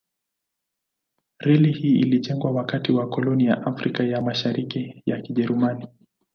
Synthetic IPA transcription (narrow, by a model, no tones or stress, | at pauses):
ɾɛlihiːiliʄɛŋɡwawakatiwakɔlɔnijaʔafɾikajamaʃaɾikijakiʄɛɾumani